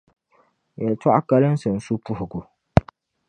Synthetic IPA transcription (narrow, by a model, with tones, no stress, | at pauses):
jɛ˨ltwa˦ʔa˦ka˦lɨ˦n˦sɨ˨n̩˨su˦pʊ˦hʊ˨ɡu˨